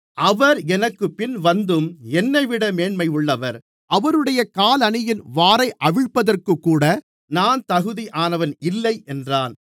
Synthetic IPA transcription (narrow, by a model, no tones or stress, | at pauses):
ʔɐʋɐɾɛnɐkːɯpɪnʋɐnd̪ɯmɛnːɐɪʋɪɽɐmeːnmɐɪʊɭːɐʋɐɾ | ʔɐʋɐɾɯɽɐjɐkaːlɐnɪjɪnʋaːɾɐɪʔɐʋɪɻpːɐðɐrkɯkːuːɽɐ | naːnt̪ɐɣɯðiʔaːnɐʋɐnɪlːɐɪʔɛndraːn